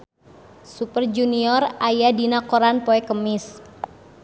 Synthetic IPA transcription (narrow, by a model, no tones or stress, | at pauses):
supərd͡ʒuniɔrajadinakɔɾanpoɛkəmɪs